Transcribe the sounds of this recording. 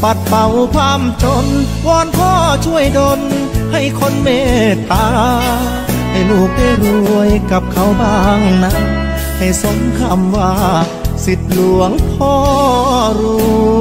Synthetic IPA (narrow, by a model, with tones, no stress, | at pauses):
pa˧˦t̪̚pa˨˩wkʰaː˧˩mt͡ɕo˧n | wɔː˧˥˩npʰɔː˧˥˩t͡ɕʰu˧˩əjdo˧nha˧˩jkʰo˧˥nmeː˧˥t̪aː˧˦ | ha˧˨˩jluː˧˩k̚ba˧˩jbu˧əjka˧˦p̚kʰa˧˥˩wbaː˧˩ŋna˧˥n | ha˨˩jso˨˦ŋkʰaː˧˩mwaː˧ | si˧t̪̚lu˨˧˩əŋpʰɔː˧˩ɾuː˧